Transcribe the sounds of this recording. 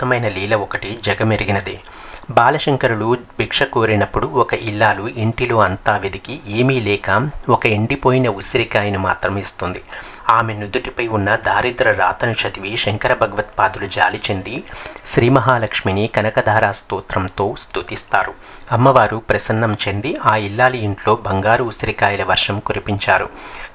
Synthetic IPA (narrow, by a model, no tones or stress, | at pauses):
t̪ːɐmɐjnɐliːlɐɔkɐʈid͡ʒɐɡɐmeɾiɡinɐd̪ḛː | baːlɐʃɐŋkɐɾulubʱikʂɐkoːɾinɐpːuɽuɔkɐʔilːaːluiɳʈilo̞ːɐnt̪aːʋid̪ikieːmilɛːkaːɔkɐeɳɖipoːjinɐusɐɾikaːjɐnɐma̰ːt̪ɾɐmist̪und̪i | aːmenud̪uʈipɐjunːɐd̪ʱaːɾid̪ɾɐɾa̰ːt̪ɐnɐʂɐt̪iʋiʃɐŋkɐɾɐbʱɐɡɐʋɐt̪̚paːd̪ulud͡ʒa̰ːlit͡ʃe̞nd̪iʃɾiːmɐɦaːlɐkʂminikɐnɐkɐd̪ʱaːɾaːst̪uːt̪ɾɐmt̪o̞ːst̪ut̪ist̪aːɾu | ɐmːɐʋaːɾupɾɐsɐnːɐmt͡ʃe̞nd̪iaːilːaːluiɳʈlo̞ːbʱɐŋɡaːɾuusɐɾikaːjɐlɐʋɐɾʂɐmkuɾipiɲt͡ʃaːɾṵ